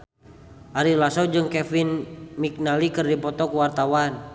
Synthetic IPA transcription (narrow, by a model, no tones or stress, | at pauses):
ʔaɾilasɔd͡ʒɨŋkɛfinmik̚nalikɨrdipɔt̪ɔkuwart̪awan